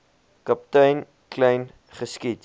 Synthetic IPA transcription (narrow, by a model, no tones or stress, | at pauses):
kɐp̚tɐjn | klɛjn | χəskit